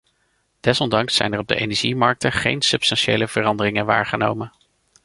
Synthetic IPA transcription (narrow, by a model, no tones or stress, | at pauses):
d̥ɛsɔndɑŋsːɛ̰jnərɔb̚də̰ʔḛjnɛɹʒimɑɹk̚təχḛjnsɵpstɑnʃejləv̥ərɑndərɪŋənʋa̰ːɹχəno̰wmən